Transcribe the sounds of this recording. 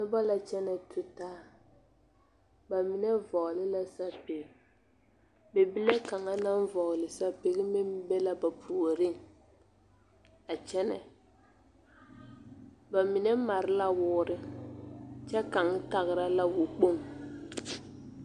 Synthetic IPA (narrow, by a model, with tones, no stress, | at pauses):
nɪ˦ba˦la˨t͡ʃɛ˦nɛ˨tʰʊ˨taː˦ | ba˨mɪ˨nɛ˦vɔ˨ɣlɪ˦la˦sa˦pe˨ɣɪ˨ | bɛ˨bi˦le˦ka˨ŋa˦na˦nvɔ˨ɣlɪ˨sa˦pe˨ɣɪ˦mɪ˦mbɛ˦la˦ba˨pʰu˨o˨ɾɪ˦ŋ | a˨t͡ʃɛ˦nɛ̰˨ | ba˨mɪ˨nɛ˦ma˨ɾɪ˦la˦wʊː˦ɾɪ˦ | t͡ʃɛ˦ka˨ŋ˦ta˨ɣɪ˨ɾa˦la˦wʊ˨k͡po˦˨ŋ